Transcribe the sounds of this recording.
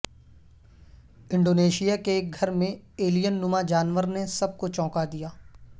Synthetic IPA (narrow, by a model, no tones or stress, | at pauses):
ɪ̃ɳɖoːneːʃijakeɡʱɐɾmẽeːlijənːʊmad͡ʒaːnʋəɾnesɐb̚kot͡ʃɔ̃ːkad̪ijaː